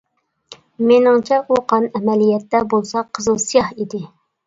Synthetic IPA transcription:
menɪŋt͡ʃʰɛʔuqʰɑnɛmɛlijɛt̪ːɛbolˠsɑqʰːəzɨlˠsijɑhid̪ɪ

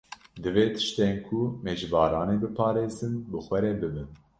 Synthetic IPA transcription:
d̪ɨveːt̪ʰɨ̥ʃt̪eːnkʰumeːd͡ʒvɑːɾɑːneːbɨpʰɑːɾeːzɨnbɨxʷɛɾɛbɨbɨn

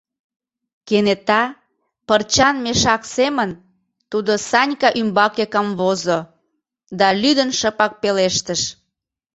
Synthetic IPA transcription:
kenet̪ɑ | pərt͡ɕɑnmeʃɑksemən | t̪ud̪osɑnʲkɑʔymbɑkekɑmβozo | d̪ɑlyd̪ənʃəpɑk̚peleʃt̪əʃ

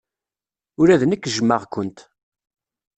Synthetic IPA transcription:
ʊɾæðnəkːʒəmːəʁkʷːənt̪

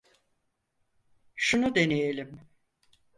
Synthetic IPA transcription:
ʃunud̪e̞nejelʲim

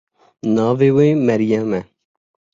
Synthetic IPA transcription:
nɑːveːweːmɛɾjɛmɛ

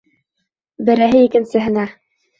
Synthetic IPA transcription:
bɘ̆ɾæɦɘikɘ̆nsɘ̆ɦɘ̆næ

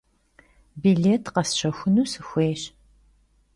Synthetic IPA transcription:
biɮeːtʰqɐsɕɐxʷʊnuːsɨxʷeːɕ

